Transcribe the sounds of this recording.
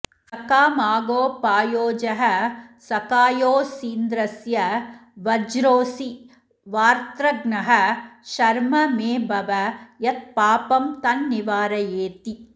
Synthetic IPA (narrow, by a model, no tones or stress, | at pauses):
sɐkaːmaːɡoːpaːjoːd͡ʒɐɦɐsɐkaːjoːsiːnd̪ɾɐsjɐʋɐd͡ʒɾoːsi | ʋaːɾt̪ɾɐɡnɐɦɐʃɐɾmɐmeːbʱɐʋɐjɐt̪̚paːpɐmt̪ɐnːiʋaːɾɐjeːt̪i